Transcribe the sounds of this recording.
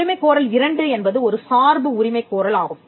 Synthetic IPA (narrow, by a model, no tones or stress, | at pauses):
ɪmɐɪkːoːɾɐlɪɾɐɳɖɯɛnbɐðɯɔɾɯsaːɾbɯʊɾɪmɐɪkːoːɾɐlaːɣɯm